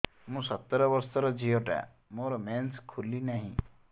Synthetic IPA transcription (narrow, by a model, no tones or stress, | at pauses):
mũsət̪ːɾɔbɔɾsɔɾɔd͡ʒʱijoʈa̰ | moɾɔmɛnskʰulinaɦḭ̃